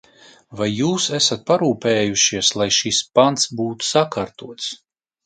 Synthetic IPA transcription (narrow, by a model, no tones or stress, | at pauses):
vajːuːsæsat̪̚paɾuːpeːjuʃiɛslˠajʃispant̪sbuːt̪u̥sakaɾt̪uɔt̪s